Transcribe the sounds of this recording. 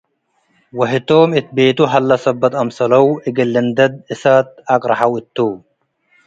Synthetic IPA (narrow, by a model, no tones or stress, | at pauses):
wɐɦɪt̪oːmɪt̪̚beːt̪uɦɐlːɐsɐbːɐt̪ɐmsɐlɐwɪɡɪlːɪnd̪ɐd̪̚ɪsat̪̚ɐkʼɾɐħɐwɪt̪ːuː